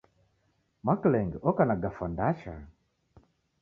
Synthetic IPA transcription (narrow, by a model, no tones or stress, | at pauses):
maklɛŋɡɔkanaɡafandaʃa̰